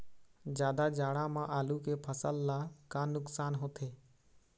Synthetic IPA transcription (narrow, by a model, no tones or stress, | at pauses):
d͡ʒjaːd̪ad͡ʒaːɽamãʔaːlukepʰəsəlːakaːnʊksaːnɦoːt̪ʰeː